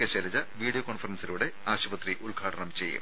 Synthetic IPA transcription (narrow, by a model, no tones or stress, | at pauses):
keɕelɐd͡ʑɐʋiːɖijokoɳfɐrɐnsiluːɽe̞aːɕuʋɐt̪riʔulɡʱaːʈʰɐɳɐmt͡ɕe̞̰jːṵm